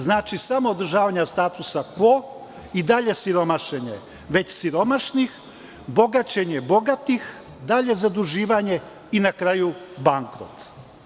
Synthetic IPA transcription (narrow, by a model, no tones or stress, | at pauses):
znaːt͡ʃisamoːd̪ɾ̩ʒaːʋaɲast̪aːt̪usapo | id̪aʎe̞siɾo̞maʃeɲḛ | ʋe̞t͡ɕsiɾo̞maʃnix | bo̞ɡat͡ɕeɲe̞bo̞ɡat̪ix | d̪aʎe̞zad̪uʒiːʋaɲe̞ | inakɾaːjubaŋkɾo̰t̪